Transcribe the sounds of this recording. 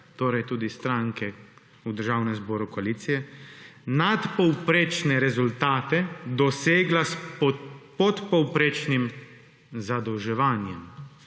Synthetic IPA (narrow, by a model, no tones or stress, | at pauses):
t̪oːɾajt̪uːd̪ist̪ɾaŋkɛ | ud̪əɾʒaːwnɛmzboːɾukoaliːt̪sijɛ | nat̪pɔwpɾeːt͡ʃnɛɾɛzult̪aːt̪ɛd̪ɔseːɡlas | pɔt̪pɔwpɾeːt͡ʃnim | zad̪ɔwʒɛʋaːnjɛm